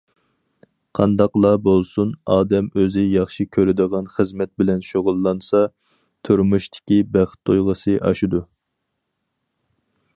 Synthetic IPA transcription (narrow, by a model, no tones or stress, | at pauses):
qʰɑnd̪ɑqlˠɑbolˠsunɑːd̪ɛmøzɪjɑχʃikʲʰøɾɪd̪əʁɑnχəzmɛt̪̚bɪlɛnʃoʁʊlˠːɑnsɑ | t̪ʰyɾmuʃt̪ʰɪ̥kʲibæχt̪ʰːojʁəsɨʔɑʃud̪u